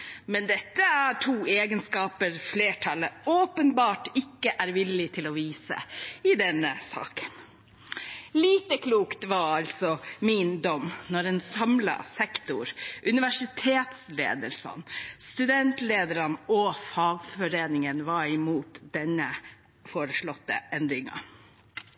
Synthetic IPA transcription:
mɛnd̪ɛt̪ːəæʈʰuːeːɡənskɑːpəɾfleːʈʰɑləoːpənbɑːʈɪkːəʔæɾʋɪlːɪt̪ʰɪlɔʋiːsə̰ɪd̪ɛnːəsɑ̰ːkə̥n | liːt̪əkʰluːkt̪ʋɑɾɑlt̪sɔmɪnd̪ɔmːnɔɾɛːnsɑmlɑ̰sɛkt̪ʊɾʔʉnɪʋæʂɪt̪ʰeːt̪slḛːd̪əlsɑ̰nst̪ʉd̪ɛnt̪leːd̪əɾɑnɔfɑːɡfɔɾeːnɪŋənʋɑɾɪmuːt̪d̪ɛnːə | foːɾəʂɭɔt̪ːə̰ɛnd̪ɾɪŋɑ̰

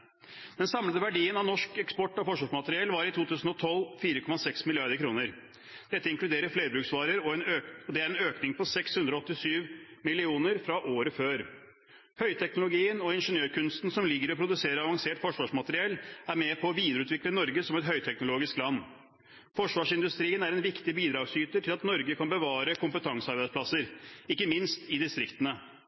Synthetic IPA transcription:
d̪ɛnsɑmləd̪əʋæɖiːənɑʋnɔʂkɛkspɔʈːɔfɔʂʋɑːʂmɑt̪əɾɪɛlʋɑɾɪt̪ʰuːt̪ʉːsn̩ɔt̪ʰɔlːfiːɾəkʰɔmɑsɛksmɪlɪɑɾd̪əɾkʰɾuːnəɾ | d̪̥ɛt̪ːəɪŋklʉd̪eːɾəɾfleɪɾbɾʉːksʋɑːɾəɾɔɛnøɔd̪ɛæɾɛnøːknɪŋpʰɔsɛkshʉnd̪ɾɔɔt̪ːɪsyːʋmɪlɪuːnəɾfɾɑʔoːɾəføːɾ | hœʏt̪ʰɛknʊlʊɡiːənɔɪnʂənjøːɾkʉnst̪nsɔmlɪɡːəɾɔpʰɾʊd̪ʉseːɾəɑʋɑŋseːʈfɔʂʋɑːʂmɑt̪əɾɪɛlːæɾmɛpʰɔːʋiːd̪əɾəʉːt̪ʋɪklənɔɾɡəsɔmɛt̪ɦœʏt̪ʰɛknʊloːɡɪsklɑnː | fɔʂʋɑːʂɪnd̪ʉst̪ɾiːənæɾɛnʋɪkt̪ɪbiːd̪ɾɑːɡsyːt̪əʈʰɪlɑt̪nɔɾɡəkʰɑnbəʋɑːɾəkʰʊmpət̪ʰɑŋsəɑɾbæɪsplɑsəɾɪkːəmɪnst̪ɪd̪ɪst̪ɾɪkt̪ənə

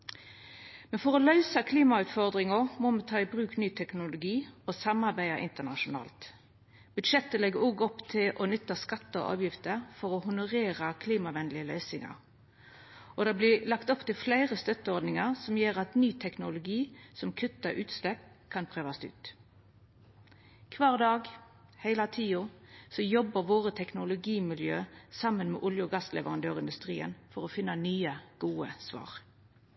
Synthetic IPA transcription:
mɛnfɔʁɔlœʏsɑkʰliːmɑʉt̪fɔʁd̪ʁɪŋʊmɔmɛt̪ʰɑːɪbʁʉːknyːt̪ʰɛknʊlʊɡiːosɑmɑʁbæɪɑʔɪ̰nt̪ənɑʃʊnɑ̰ːlt̪ | b̥ʉd̪ʃɛt̪ːəlɛɡəoːɡɔpt̪ʰɪlʔɔnʏt̪ːɑskɑt̪ːəɔ̰ʔɑ̰ːʋjɪft̪əʁfɔʁɔhʊnʊʁeːʁəkʰliːmɑʋɛnlɪəlœʏsɪŋɑ̰ʁ | ɔd̪ɑːblɪlɑkt̪ɔpt̪ɪlflæɪʁəst̪œt̪ːəɔɾd̪nɪŋəʁsɔmjøːʁɑt̪nyːt̪ʰɛknʊlʊɡiːsɔmkʰʉt̪ːɑʔʉːt̪slɛp | kʰɑnpʰʁøːʋɑst̪ʉ̰ːt̪ | kʰʋɑːʁd̪ɑːɡ | hæɪlɑt̪ʰiːʊsɔjɔbəʁʋoːʁət̪ʰɛknʊlʊɡiːmɪljø̰ːsɑmːənmḛːʔʊljəɡɑslʔɛ̰ʋəʁɑnd̪øːʁɪnd̪ʉst̪ʁḭːə̰nfɔʁɔfɪnːənyːəɡ̥uːəsʋɑ̰ːʁ

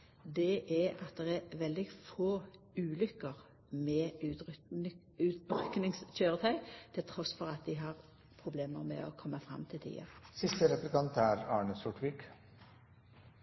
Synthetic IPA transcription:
d̪ɛʔɛɑt̪̚d̪ɛʁɛʋɛld̪ɪfoː | ʉːlʏkːəʁ | mɛʉ | ʉːt̪ʁʏknɪŋsc͡çøːʁət̪ʰæɪt̪ʰɪlt̪ʰʁɔsfɔʁɑt̪̚d̪ɪɦɑʁ | pʰʁʊbleːməʁmɛ̰ɔkʰɔmːəfʁɑ̰mt̪ʰɪlt̪ʰḭːə̰sɪst̪əɾɛplɪkɑnt̪æɾɑːɳəsʊʈʋiːk

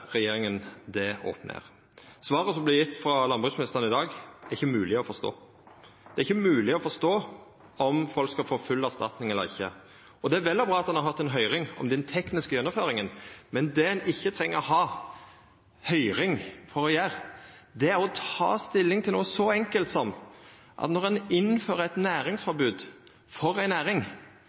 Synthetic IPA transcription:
ɾɛjeːɾɪŋənd̪ɛo̰ːpnə̰ɾ | sʋɑːɾəsɔmblɪjɪt̪ːfɾɑlɑnbʁʉsmnɪst̪əʁənəɪd̪ɑːɡæʁɪçːəmʉːlɪɔfɔʁst̪o̰ː | d̪̥ɛæɾɪçːəmʉːlɪɔfɔst̪oː | ɔmfɔlkskɑlfoːfʉlːæst̪ɑ̰t̪nɪŋɛlːəɾɪ̰çːə̰ | ɔd̪ɛæɾʋɛləbʁɑːɑt̪d̪ɑnhɑɾɦɑt̪ːɛnɦœʏɾɪŋɔ̰md̪ɛnt̪ʰɛknɪskəjɛnːɔmføːɾɪŋənmɛnd̪ɛɛnɪçːət̪ʰɾɛŋːəɾɔɦɑː | hœʏɾɪŋfɔɾɔjæːʁd̪ɛæʁɔt̪ʰɑ̰ːst̪ɪlːɪŋt̪ʰɪluːəsɔɛŋkəlt̪sɔm | ʔɑ̰t̪nɔʁɛnɪnføːɾəæɛt̪næːɾɪŋsfɔɾbʉːd̪ | fɔɾæɪnæːɾɪŋ

